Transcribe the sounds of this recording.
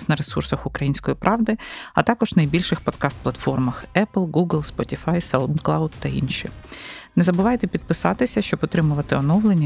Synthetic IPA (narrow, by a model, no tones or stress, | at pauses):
sʲnɐɾesursɐxʊkɾɐjinʲsʲkɔjipɾʔɑʋd̪ɪɐ̰t̪ɑkɔʒnɐjbʲilʲʃɪxpɔd̪kɑst̪̚plˠɐt̪fɔrmɐxɛplˠɡuɡlˠspɔtʲifɑjsawnt̪klˠawd̪t̪ɐḭnʃḭnɛzɐbɪʋɑjet̪ɛpʲid̪̚pɪsɑt̪ɪsʲɐʃt͡ʃɔbɔt̪ɾɪmʊʋɐt̪ɪɔnɔʋlˠenʲːɐ